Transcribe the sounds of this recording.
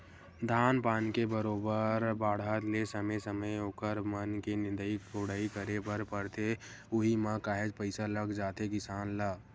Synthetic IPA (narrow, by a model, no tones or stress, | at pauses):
d̪ʱaːnpaːnkebəɾoːbəɾbaːɽ̤at̪lesəməsəməjoːkəɾmənkinɪ̃nd̪əikʰoɽaːikəɾebəɾpəɾt̪e | ʊɦimãkaːɦed͡ʒpəɪsaləɡd͡ʒaːt̪ekɪsaːnlaː